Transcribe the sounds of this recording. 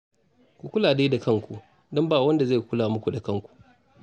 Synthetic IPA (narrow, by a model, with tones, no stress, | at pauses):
kʷu˨kʷʊ˦laː˨deː˦da˨kɐ˦ŋkʷu˨ʔ | dɔ˦mbaː˨wɐ˦nda˨ze˦˨kʷʊ˦laː˨mʊ˦kʷu˨da˨kɐ˦˨ŋkʷu̥˨ʔ